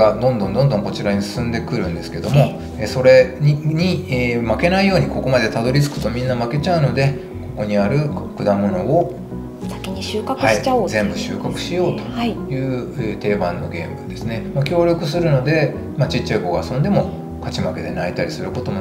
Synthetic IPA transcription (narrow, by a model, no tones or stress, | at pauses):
ad̪õ̞nd̪õ̞nd̪ond̪õ̞ŋko̞t͡ɕiɾaɲ̟isɨ̥sɨ̃nd̪e̞kɯ̟ɾɯ̟̃nd̪e̞sɨ̥ke̞d̪o̞mo̞ | eso̞ɾe̞ɲ̟imake̞naijo̞ːɲ̟iko̞ko̞mad̪e̞t̪ad̪o̞ɾʲit͡sɨ̥kɯ̟̥t̪o̞mʲĩnːamake̞t͡ɕaɯ̟no̞d̪e̞ | ko̞ko̞ɲ̟iaɾɯ̟kɯ̟d̪amo̞no̞o | t̪akʲiɲ̟iɕɨːkakhɯaiazẽ̞mbɯ̟ɕɨːkakɯ̟̥ɕijo̞ːt̪o̞̥ajɯ̟ːet̪e̞ːbãnːo̞̰ɡẽ̞ːmbɯd̪e̞sɨne̞makʲo̞ːɾʲjo̞kɯ̟sɨɾɯ̟no̞d̪e̞ | mat͡ɕitt͡ɕːaiko̞ɡaːsõnd̪e̞mo̞ | kat͡ɕimake̞d̪e̞nait̪aɾʲisɨɾɯ̟ko̞t̪o̞mo